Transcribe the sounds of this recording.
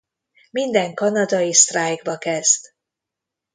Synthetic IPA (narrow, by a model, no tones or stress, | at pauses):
mind̪ɛŋkɒnɒd̪ɒjist̪raːjɡbɒkɛz̥t̪